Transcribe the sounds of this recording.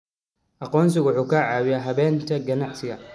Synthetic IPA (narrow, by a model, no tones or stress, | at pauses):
ʔɑqɔːns̬ɪɣwʊħuːkʰɐʕaːwɪjaɦɐβɛːnt̪ʰɐɡɐnɑʕsɪɣɐ